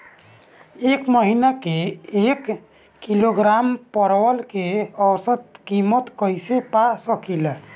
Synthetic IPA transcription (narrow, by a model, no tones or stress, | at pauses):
ekməɦinakeekː | iloɡɾampəɾwəlkeəwsət̪kimət̪kəjsepasəkil